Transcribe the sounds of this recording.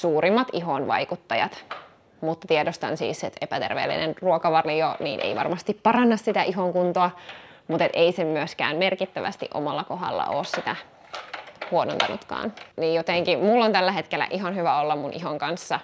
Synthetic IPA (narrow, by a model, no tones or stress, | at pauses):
suːɾimːɑt̪iɦonʋɑ̰ikut̪ːɑjɑ̰t̪ | mut̪ːɑ̥t̪iedost̪ɑ̰nsḭːset̪epæt̪ḛrʋḛːlːḭnenruokɑʋɑrijonḭːnʔḛiʋɑ̰rmɑst̪ippɑrɑnːɑssit̪æʔiɦoŋkunt̪oɑ | mut̪et̪eisemmyøskæ̰ːnmerkit̪ːæʋæ̰st̪ḭʔo̰mɑlːɑkoɦɑ̰lːɑ̰ʔo̰ːssit̪æ | huono̰nt̪ɑnṵt̪kɑ̰ːnnijjot̪eŋkimulːont̪ælːæɦet̪kelːˑæ̰ʔiɦɑnhyʋæolːɑmmunʔiɦoŋkɑnsːɑ